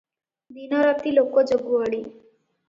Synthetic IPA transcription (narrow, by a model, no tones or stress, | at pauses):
d̪inɔɾat̪iːlokɔd͡zəɡuəɭiː